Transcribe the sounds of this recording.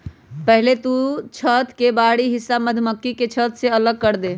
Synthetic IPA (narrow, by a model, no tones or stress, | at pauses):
pəɦlet̪ut͡ʃʰət̪kebaɽiɦisːaməd̪ʱməkːiket͡ʃʰət̪seələɡ̚kəɾd̪e